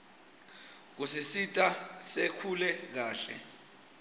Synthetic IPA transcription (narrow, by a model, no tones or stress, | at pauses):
k̬usisitʼasekʰulɛk̬aːɬɛ̰